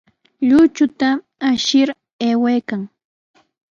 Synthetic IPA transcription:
ʎʊt͡ʃʊt̪aː | ʃɪɾ | eːwajkaŋ

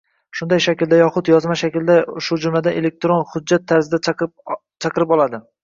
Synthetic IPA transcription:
ʃʊnd̪ajʃakʲɪld̪ajɒχʊt̪jɒzmaʃakʲɪld̪aʃʊd͡ʒʊmlad̪aʔe̞le̞k̚ʲt̪ɾonhʊd͡ʒːat̪ʰːaɾzɪd̪a | t͡ʃʰɑqɨɾɪpɒlˠad̪ɪ

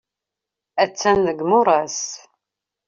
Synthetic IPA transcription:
æt͡sːænːəɡmʊɾˤɑs

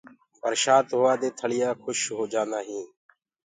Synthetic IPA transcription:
bʱəɾʃaːt̪ɦoːaːd̪eːt̪ʰəɭɪjaːkʰʊʃɦoːd͡ʒaːnd̪aːɦĩː

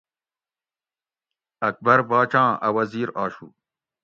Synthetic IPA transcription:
ɐk̚bɐɾbaːt͡ɕãːɐwɐziːɾaːɕṵː

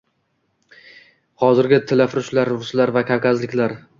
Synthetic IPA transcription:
hɒzɪɾɡʲɪt̪ʰɪlafɾʊʃlaɾɾʊslaɾvakʲʰaɾkʲʰazlɪkʲlaɾ

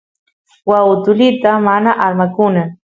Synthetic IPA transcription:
waʊt̪ʊlɪt̪amanaʔaɾmakʊna

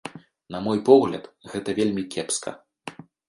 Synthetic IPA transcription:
nɐmɔjpɔɣlʲɐt̪ɣɛt̪ɐvʲelʲmʲikʲɛpskʰɐ̰

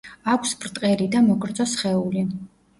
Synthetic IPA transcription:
akʷʰsbɾt̪ʼqʼɛlid̪amɔɡɾd̪zɔsχɛuli

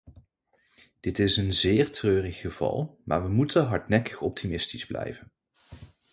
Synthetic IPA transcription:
d̥ɪtɪsənzɪːɹtrøːrəχːəv̥ɑ̰lˠmʔa̰ːɹʋəmutəɦɑɹtnɛkə̥χɔp̚tʰimɪstizblɛ̰jvən

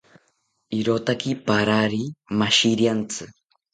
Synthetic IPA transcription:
iɾot̪akipaɾaɾimaʃiɾjant͡sɨ

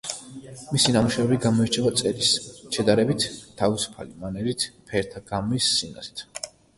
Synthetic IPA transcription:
misinamuʃɛvɛbiɡamɔit͡ʃʰɛvat̪sʼɛɾisʃɛd̪aɾɛbit̪ʰt̪ʰːavisu̥pʰa̰limanɛɾit̪ʰpʰɛɾt̪ʰaɡamisːina̰zi̥t̪ʰ

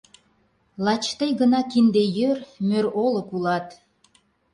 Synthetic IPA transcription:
lˠɑt͡ɕt̪ejɡə̆nɑkind̪ejørmøɾolɤ̆kulɑt̪

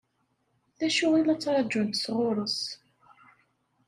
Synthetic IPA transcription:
θæʃʊʁilɑt͡sːɾˤɑd͡ʒʊnt̪əsʁʊɾˤəs

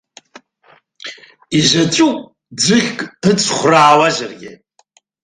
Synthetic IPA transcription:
iʒat͡ʃʷʼu | d͡zɨχʲkʼɨt͡sʼʰχʷraːwaʒarɡʲɪ

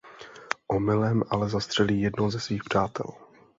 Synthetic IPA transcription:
ʔomɪlɛmʔalɛzast̪r̝̥ɛliːjɛdnowzɛsviːxpr̝̥aːt̪ɛ̰l

